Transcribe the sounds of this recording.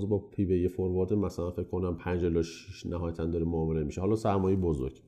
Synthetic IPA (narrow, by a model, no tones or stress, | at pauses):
zbɒːpʰiːbejefoɾbɒːd̪emæsælænfe̞cʰkʰonæmpʰænd͡ʒelːɒʃiʃnæɦɒːjæt̪ʰænd̪ɒːɾemoːmelemiʃehɒːlɒːsæɾmɒːjebozo̰ɾɟ̥